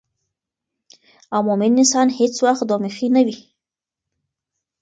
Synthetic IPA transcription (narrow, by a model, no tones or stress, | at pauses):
awmʊmɪnːɪsɑnhet͡swaxt̪̚d̪omɪxinawi